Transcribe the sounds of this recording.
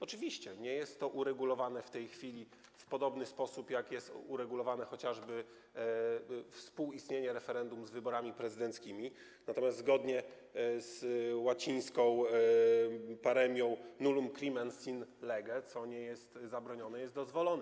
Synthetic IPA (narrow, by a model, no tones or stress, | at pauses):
ɔt͡ʂɘvʲiɕt͡ɕɛɲɛjɛst̪ːɔʔuɾɛɡulɔvanɛft̪ɛjxfʲilʲi | fpɔd̪ɔbnɘspɔsupjakjɛst̪uɾɛɡulɔvanɛxɔt͡ɕaʐbɘ | fspuwist̪ɲeɲɛɾɛfɛɾɛnd̪umzvɘbɔɾamʲipɾɛzɘd̪ɛnt̪skʲimʲi | nat̪ɔmʲjast̪zɡɔd̪ɲɛ | zwat͡ɕĩj̃skɔ̃w̃ | paɾɛmʲjɔ̃w̃nulumkɾʲimɛnsinlɛɡɛt̪sɔɲɛjɛst̪zabɾɔɲɔnɛjɛst̪d̪ɔzvɔlɔnɛ